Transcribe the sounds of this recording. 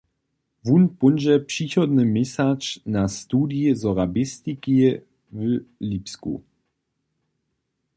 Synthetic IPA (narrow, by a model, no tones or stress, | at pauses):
vunpʊnd͡ʒɛpʂixɔd̪nəmɛsat͡ʃnast̪uːdijəzɔʁabɪst̪ikiə | vəliːpskṵ